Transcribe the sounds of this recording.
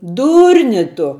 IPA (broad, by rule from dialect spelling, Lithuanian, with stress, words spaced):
ˈduːrʲnʲɪ ˈtʊ